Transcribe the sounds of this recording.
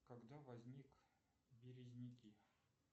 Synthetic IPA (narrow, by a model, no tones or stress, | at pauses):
kɐɡd̪avɐzʲnʲik | bʲɪɾʲɪzʲnʲɪkʲi